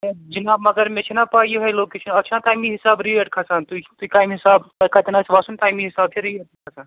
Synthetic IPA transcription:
d͡ʒinamɐɡɐɾmet͡ʃʰinapaːijoɦɐloːket͡ʃʰɐnɐt͡ʃʰãʈaːjmiɦisaːbɾieʈkʰɐsaːnt̪ut̪uikajmɦisaːbɐkat̪enat͡ʃʰʋaːsunʈaːjmĩɦisaːb̚t͡ʃʰeɾieʈkʰɐsaːn

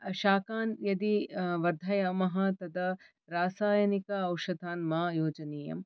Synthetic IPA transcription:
ʃaːkaːnjɐd̪iʋɐɾd̪ʱɐjɐmɐɦɐ̆t̪ɐd̪ɐ | ɾaːsaːjɐnikɐɐwʃɐd̪ʱaːnmaːjoːd͡ʒɐneːjɐ̰m

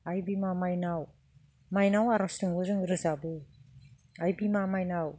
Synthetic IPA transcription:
ajbimamajnaw | majnawaɾastɯŋɯɾɯŋɾɯzabɯ | ajbimamajnaw

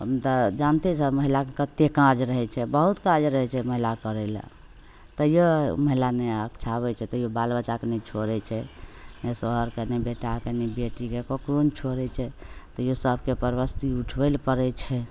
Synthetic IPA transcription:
ɦə̰mt̪ad͡ʒant̪ɛsəbməɦilakekət̪ːekãd͡ʒɾəɦɛt͡ʃʰɛbəɦut̪kãd͡ʒɾəɦɛt͡ʃʰɛməɦilakəɾɛla̰ | t̪əjoməɦilaneakt͡ʃʰaβɛt͡ʃʰɛt̪ɔjobalbət͡ʃakenɛt͡ʃʰoɾɛt͡ʃʰɛnesoɦəɾkenɛbeʈakenɛbeʈikekokɾont͡ʃʰoɾɛt͡ʃʰɛt̪ɔjosəbʱkepəɾbəst̪iuʈʰbɛlpəɾɛt͡ʃʰɛ

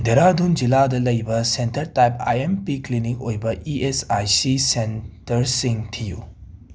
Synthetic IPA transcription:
deɾadund͡ʒiladɐlɐjbɐsentɐɾtajpa̰jempiklinik̚ojbɐʔiesajsisentɐɾsiŋtʰijṵ

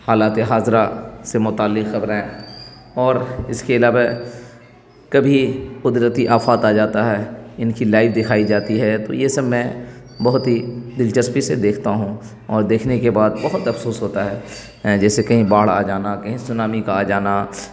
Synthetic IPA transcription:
haːlaːt̪eɦaːzɾasemʊt̪aːlːɪqxɐbɾɦɛ̃ː | ɔːɾɪskeɐlaːʋa | kɐbʱiqʊd̪ɾət̪iʔaːfaːt̪aːd͡ʒaːt̪aɦɛːɪnkilaːɪfd̪ɪkʰaːid͡ʒaːt̪iɦɛt̪o̰jesɐbmɛ̃ | bɐɦʊt̪ɦid̪ɪlt͡ʃəspised̪eːkʰt̪aɦũ | ɔːɾd̪eːkʰnekebaːd̪bɐɦʊt̪ɐfsoːsɦoːt̪aɦɛː | d͡ʒɛːsekɐɦĩbaːɽa̰d͡ʒaːnakɐɦĩsʊnaːmikaːd͡ʒaːna

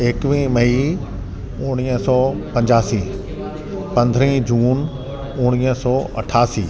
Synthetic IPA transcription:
eːkʋĩmɐi | ʊ̃ɽ̃iːəsɔːpɐ̃ɲd͡ʑaːsiː | pɐ̃nd̪ʱɾəĩd͡ʑuːn | ʊɽ̃iːəsɔːʔɐ̰ʈʰaːsiː

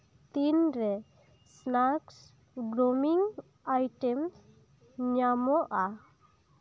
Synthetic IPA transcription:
t̪inɾɛ | snaks | ɡɾɔmiŋ | ajʈɛms | ɲamɔʔa

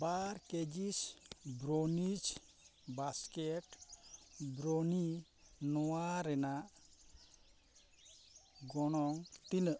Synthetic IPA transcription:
baɾked͡ʒisbɾonit͡ʃ | baskɛʈ | bɾoni | nɔwaɾɛnaʔ | ɡɔɽ̃ɔŋt̪inə

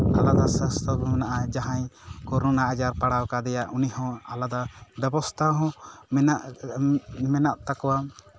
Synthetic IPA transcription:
alad̪asəst̪ʰɔbunaʔad͡ʒaɦãjkɔɾɔnaʔad͡ʒaɾpaɽawkad̪ɛjaʔunihɔ̃alad̪abɛbɔst̪ʰaɦɔ̃mɛnaʔ | mɛnaʔt̪akɔwa

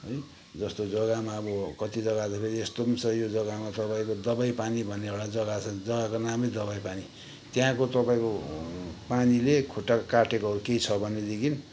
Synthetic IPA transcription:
ʌj | d͡zʌst̪od͡zʌɡamaʌbʌkʌt̪id͡zʌɡat͡sʌpʰeɾiest̪osʰʌjod͡zʌɡamat̪ʌpaĩkod̪ʌbajpanibʱʌnːeaɽad͡zʌɡat͡sʰʌd͡zʌɡakonamʌjd̪ʌβajpani | t̪jãkot̪ʌpãĩko | panilekʰoʈːakaʈekoɦʌɾukeit͡sʰʌbʱʌnːed̪ekin

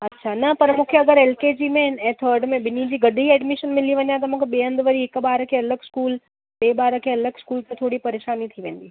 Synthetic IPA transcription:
ɐtːʃʰanɐpɐɾmʊkʰjəɐɡəɾeːlked͡ʑiːmẽɛ̃ːt̪ʰəːɾɖmẽbɪnid͡ʑiːɡɐd̪ʱiɦiɛːɖmɪʃənmɪliʋɐɲjãt̪ɐmũkʰebeːə̃nd̪ʋəɾiɪkbaːɾkʰeɐləɡskuːl | beːbaːɾkʰeɐləɡskuːlt̪ẽt̪ʰoːɽipɐɾeːʃaːnit̪ʰiʋẽːnd̪iː

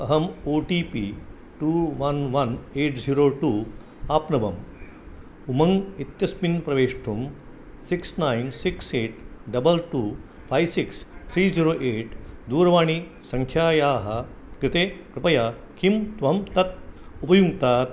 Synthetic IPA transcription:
ɐɦɐmoːʈiːpḭː | ʈuːʋɐnʋɐneːʈd͡ziːɾoːʈuː | aːpnɐʋɐm | umɐŋɡit̪jɐspinpɾɐʋeːʂʈʰum | siksnaːjnsikseːʈɖɐbɐlʈuː | pʰaːjʋsikst̪ʰɾiːziːɾoːʔeːʈd̪uːɾɐʋaːɳi | sɐ̃ŋkʰjaːjaːɦɐ | kɾɪt̪eːkɾɪpɐjaː | kʰimt̪ʋɐɦɐmt̪ɐt̪̚upɐjuŋɡt̪aːt̪

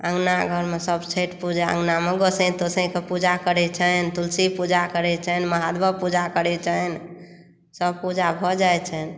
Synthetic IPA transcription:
əŋɡnaɡʱəɾmesəbt͡ʃʰeʈpud͡ʒeə̰̃ŋɡnameɡosə̃t̪osə̃kepud͡ʒakəɾɛt͡ʃʰənt̪ulsipud͡ʒakəɾɛt͡ʃʰənməɦad̪bəpud͡ʒakəɾɛt͡ʃʰən | səb̚pud͡ʒabʱɔd͡ʒajt͡ʃʰən

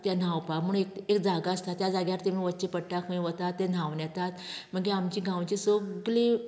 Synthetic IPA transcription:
t̪jan̤awpamuɳekekd͡zaɡaəst̪at̪jad͡zaɡjaɾt̪emĩʋət͡ɕepəɽʈakʰə̃ʋət̪at̪ːen̤aʋnjɛt̪at̪m̤əɡeamt͡ɕiːɡʱãwt͡ɕesoɡle

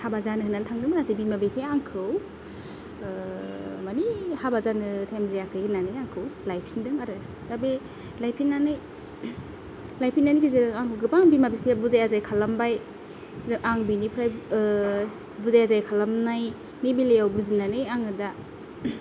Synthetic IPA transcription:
habazanɯɦɯnːantʰaŋdɯmanatɯbimabipʰejaŋkʰɯw | manihabazanɯtʰajmzejakʰɯjhɯnːanɯjaŋkʰɯwlajpʰindɯŋaɾɯ | d̥abe | lajpʰinːanɯj | lajpʰinːanikizeɾɯŋaŋkʰɯwɡɯpaŋbimabipʰejabuzajazajkʰalambaj | dɯʔaŋbinipʰɾaj | buzajazajkʰalamnaj | nibilejawbuzinanɯjaŋɯda

